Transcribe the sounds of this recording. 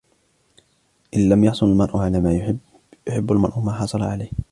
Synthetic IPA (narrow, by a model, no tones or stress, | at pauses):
ʔɪnlamjɑħsˤʊnalmanʔʊʕalaːmaːj | jʊħɪbːalmɑnʔʊmaːħɑsˤɑlɑʕalajh